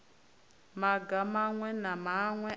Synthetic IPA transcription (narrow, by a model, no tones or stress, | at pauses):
maɡamaŋwɛnamaŋwɛ